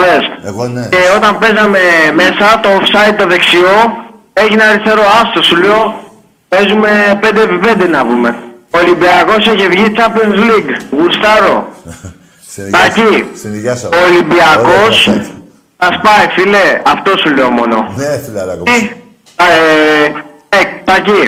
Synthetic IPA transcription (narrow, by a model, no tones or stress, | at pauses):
ðeseo̞t̪ɐmpe̞zɐmeme̞sɐt̪o̞ofsɐit̪ːoðe̞ksio̞ | eçinɐɾist̪eɾo̞ɐst̪osuleo | ezume̞pend̪eːpipend̪enɐpume̞oːlimbiɐko̞siçevʝit͡ʃɐplonzliɡɣuɾst̪ɐɾo̞̰ | t̪ɐci | oːlimbiɐko̞s | sɐspɐifileɐft̪o̞suleomo̞̰no̞̰ | i | et̪ɐci